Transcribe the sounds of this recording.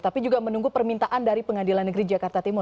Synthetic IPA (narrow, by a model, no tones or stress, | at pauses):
t̪apid͡ʒuɡamənuŋɡupərmint̪aʔandaɾipəŋadilanːəɡɾid͡ʒakart̪at̪imɔ